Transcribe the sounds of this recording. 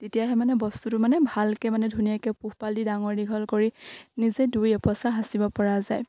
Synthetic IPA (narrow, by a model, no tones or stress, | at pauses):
tetijaɦɛmanɛbɔstutʊmanɛbʱalkɛmanɛdʱunijakɛpuhpalidaŋɔɹdiɡʱɔlkoɹinizedujɔpɔsaɦasibɔpɔɹazaj